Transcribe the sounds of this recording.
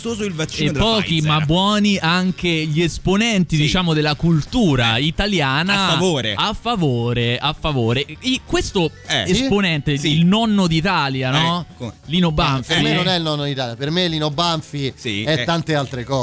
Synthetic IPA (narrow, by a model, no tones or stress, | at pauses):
t̪oːzoilvat͡ʃːepːɔːkimabːwɔːniʔaŋkeʎiesponɛnt̪id̪it͡ʃaːmod̪elːakult̪uːɾait̪aljaːnafavoːɾḛafːavoːɾeafːavoːɾeikwest̪oɛesponɛnt̪eilnɔnːod̪it̪aːljanɔlinobaɱfienonɛilnɔnːod̪it̪aːljapermelːinobaɱfiiɛt̪ːant̪ealt̪ɾekɔː